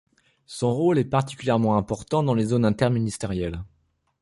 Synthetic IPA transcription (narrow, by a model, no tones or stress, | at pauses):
sɔ̃ʁolɛpaʁt̪i̥kʲyljɛʁmɑ̃ɛ̃pɔʁt̪ɑ̃d̪ɑ̃lezonɛ̃t̪ɛʁminist̪eʁjɛl